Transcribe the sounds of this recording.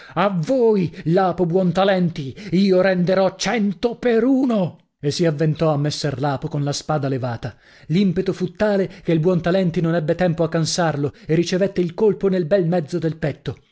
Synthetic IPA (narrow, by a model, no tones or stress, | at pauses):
avːoːjlaːpobwɔnt̪alɛnt̪iiːoɾɛnd̪eɾɔt͡ʃɛnt̪opeɾuːno | esːiavːent̪ɔamːesːɛrlaːpokonlaspaːd̪alevaːt̪a | limpet̪ofut̪ːaːlek̟eilbwɔnt̪alɛnt̪inonɛbːet̪ɛmpoakːansarloerːit͡ʃevet̪ːeilkolponelbɛlmɛd̪zːod̪elpɛt̪ːo